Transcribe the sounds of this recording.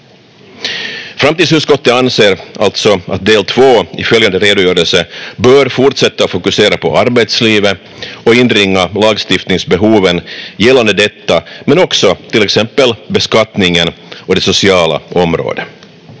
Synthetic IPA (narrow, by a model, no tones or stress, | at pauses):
fɾamt̪iːd̪s̬hʉːt̪skɔt̪ːəanseːɾalt̪sɔa̰t̪̚d̪eːlt̪ʰv̥oːɪfœljand̪əɾeːd̪ʊjœːɾəlsəbœːɾfʊɾʈʂɛt̪ːafʊkɵseːɾapʰɔ̰ʔaɾbɛt̪sliːvə | ɔɪnɾɪŋːalɑːɡst̪ɪft̪nɪŋsbɛɦuːvənjɛlːand̪əd̪ɛt̪ːamɛnɔksɔt̪ʰɪlːɛksɛmpːəlbɛskat̪nɪŋənɔd̪ɛsʊsɪɑːla̰ʔɔmɾo̰ːd̪ə